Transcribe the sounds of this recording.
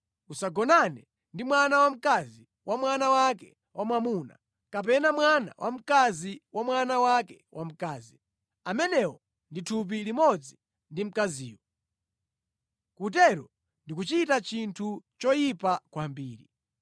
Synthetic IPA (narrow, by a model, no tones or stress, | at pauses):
usaɡɔnanɛ | ndimwanawam̩kazi | wʔamwanawakɛ | wʔamwamuːna̰ | kap̬ɛnamwana̰wʔam̩kaziwamwanawakɛ̥wʔam̩kaːzi | amɛnɛwɔ | nditʰup̬ilimɔd͡zi | ndim̩kaziːwɔ | kut̬ɛɾɔ | ndikut͡ʃitat͡ʃintʰut͡ʃɔjipakwambiːɾḭ